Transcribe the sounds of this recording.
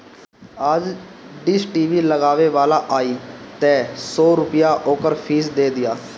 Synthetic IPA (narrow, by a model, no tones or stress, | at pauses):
əd͡ʒ | ɖɪsʈiːʋiːləɡaːʋeːʋaːlaːʔaːiːt̪ɛːsɔːɾʊpɪjaːʔoːkəɾpʰiːsd̪eːd̪ɪjaː